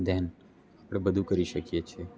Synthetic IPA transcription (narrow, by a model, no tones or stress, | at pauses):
d̪ɛn | apɽ̃ebəd̪ʱũkəɾiʃəkijet͡ʃʰe